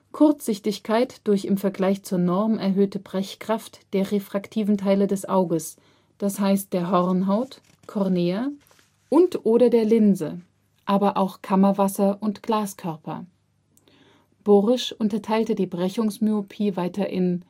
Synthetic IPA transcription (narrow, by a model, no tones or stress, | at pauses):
kʰʊɐt͡sz̥ɪçtɪçkʰaɪtd̥ʊɐçɪmfɛɐɡlaɪçt͡suːɐnɔʁmɛɐɦøːtəbʁɛçkʁ̥aftd̥eːɐʁefʁ̥aktʰiːvn̩tʰaɪlədɛsʔaʊɡəs | d̥ashaɪst̚d̥eːɐɦɔʁnɦaʊt | kʰɔʁneːɐ | ʔʊntʔoːɾɐdeːɐlɪnzə̰ | ʔaːbɐʔaʊxkʰamɐvasɐʔʊntɡ̥laːskʰœɐpɐ̰ | b̥oːʁɪʃʔʊntɐtʰaɪltədiːbʁɛçʊŋsmyopʰiːvaɪtɐʔɪ̰n